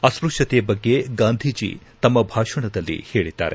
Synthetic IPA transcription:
ɐspɾukʂɐt̪ejɐbɐɡːe̞ɡaːnd̪ʱid͡ʒḭt̪ɐmːɐbʱaːʂɐɳɐd̪ɐlːḭhe̞ːɭid̪ːa̰ːɾe

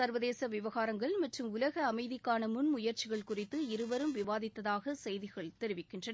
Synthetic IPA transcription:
ɐɾʋɐðeːsɐʋɪʋɐɣaːɾɐŋɡɐɭmɐʈrɯmʊlɐɣɐːmɐɪðɪkːaːnɐmʊnmʊjɐɾt͡ʃɪɣɐɭkʊrɪt̪ːɯɪɾɯʋɐɾɯmʋɪʋaːðɪt̪ːɐðaːɣɐsɛjðɪɣɐɭt̪ɛɾɪʋɪkːɪndrɐn

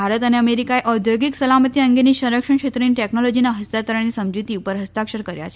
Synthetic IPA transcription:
bʱaɾət̪aneəmeɾikaeʔɔd̪ʱjoɡiksəlamət̪iəŋɡeniːɕəɾəkʂəɳkʂet̪ɾiːnʈeknɔlɔd͡ʑinaɦəst̪at̪əɾanːiːsəmd͡ʑit̪iːupəɾɦəst̪akʂəɾkəɾja̰t͡ɕe

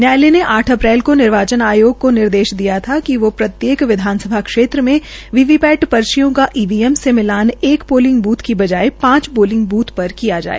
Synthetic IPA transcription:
njaːleneʔaːʈʰɐpɾɛːlkonɪɾʋaːt͡ʃənaːjoːɡ̚konɪɾd̪eːʃd̪ijat̪ʰakiʋopɾɐt̪jeːkʋɪd̪ʱaːnsəbʱakʃeːt̪ɾəmẽʋiʋipɛːʈpɐɾʃijõkaʔiːʋiːɛmsemɪlaːneːkpoːlɪ̃ŋɡbuːt̪ʰkibɐd͡ʒaːepãːt͡ʃboːlɪ̃ŋɡ̚buːt̪ʰpɐɾkijad͡ʒa̰ːḛː

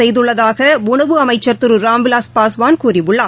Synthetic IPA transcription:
ɛjðɯɭːɐðaːɣɐʊɳɐʋɯɐmɐɪt͡ʃːɐɾt̪ɯɾɯɾaːmbɪlaːspaːsʋaːnkuːrɪʋɯɭːaː

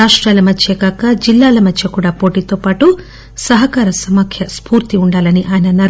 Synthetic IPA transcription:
aːʂʈɾaːlɐmɐt͡ʃːeːɡaːkɐd͡ʒilːaːlɐmɐt͡ʃʰːjɐkuːɽaːpoːʈiːt̪oːpaːʈu | sɐɦɐkaːɾɐsɐmɐkʰjɐspuːɾt̪iuɳɖaːlɐniʔaːjɐnɐnɐɾ

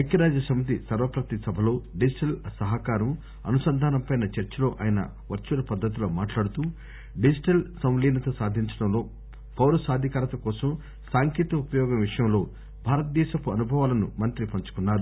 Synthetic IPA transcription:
ekʰːjɐɾaːd͡ʒɐsɐmit̪̬isɐɾʋɐpɾɐt̪isɐbʱɐlo̞ːɖid͡ʒiʈɐlsɐɦɐkaːɾɐm | ɐ̰nusɐnd̪ʱaːnɐmpɐjnɐt͡ʃɐɾt͡ʃɐlo̞ːʔa̰ːjɐnɐ̰ | ʋɐɾt͡ʃulɐpɐd̪ːɐt̪̬ilo̞ːmaːʈlaːɽut̪uː | ɖid͡ʒiʈɐlsɐw̃liːnɐt̪ɐsaːd̪ʱiɲt͡ʃɐɽɐmlo̞ː | pʰɐwɾɐsaːd̪ʱikaːɾɐt̪ɐkɔːsɐm | saːŋkiːt̪ɐupɐjɔːɡɐmʋiʂɐjɐmlo̞ː | bʱaːɾɐt̪ɐd̪ɛːʃɐpuɐnubʱɐʋaːlɐnṵmɐnt̪ɾipɐɲt͡ʃu̥kunːaːɾu

